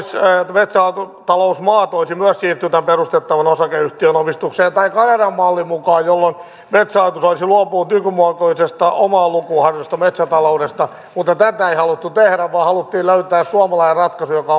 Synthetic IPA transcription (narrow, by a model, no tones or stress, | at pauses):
smet̪sæɑt̪ut̪ɑlousmɑːt̪oisimyæssiːrt̪ːyt̪æmperust̪et̪ːɑʋɑnosɑkeyht̪iønomist̪ukseːnt̪ɑikɑnerɑmːɑlːimukɑːjjolːon | met̪sæɑit̪usolisiluɑpuːt̪ykymuɑkoisest̪ɑomɑːlukuhɑrjost̪ɑmet̪sæt̪ɑloudest̪ɑ | mut̪ːɑt̪æt̪æeihɑlut̪ːut̪ehɾæʋʋɑːhɑlut̪ːiːløyt̪æːssuɑmɑlɑirɑt̪kɑsujokɑ